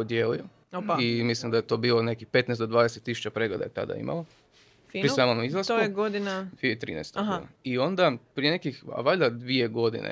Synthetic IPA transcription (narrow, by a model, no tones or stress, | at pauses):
pod̪jeːlio | oimislimd̪ajet̪o̞ːbiːlone̞kixpe̞t̪nest̪d̪od̪ʋaːd̪eset̪ːis̬u̥t͡ɕapɾe̞ɡled̪a̰jet̪a̰d̪a̰ḭma̰lo | fiɾisaːmomizlˠasouɡod̪inafit̪ɾḭnɛ̰jst̪kunaio̞nd̪apɾije̞nekixa̰ʋaʎad̪ʋie̞ɡo̞d̪ḭnḛ